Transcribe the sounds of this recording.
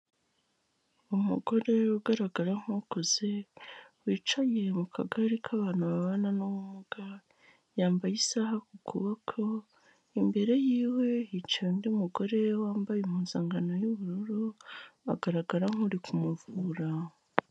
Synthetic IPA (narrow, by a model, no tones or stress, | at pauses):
umṵɡo̞ɾe̞uɡaɾaɡaɾaŋ̥ukuzewiːt͡ʃajemukʰa̰ɡaɾikʰaβaːn̥huβaβananuβumuɡ̥a | jaːmbajisaɦakukʰuβakʰo̞ | imbe̞ɾe̞jiːwe̞jit͡ʃajondiumuɡo̞ɾe̞waːmbajumuːnzaːŋɡano̞juβuɾuɾua̰ɡaɾaɡaɾaŋ̥uɾikʰumuvuːɾa